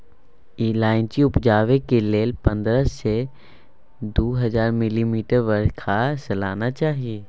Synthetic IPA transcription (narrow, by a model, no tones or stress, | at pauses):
iːlaːɪnt͡ʃiʊpd͡ʒaːʋekeleːlpɐ̃nd̪ɾəse | d̪oːɦɐzaːɾmɪlimiːʈəɾʋəɾkʰasɐla̰ːnat͡ʃaːɦieː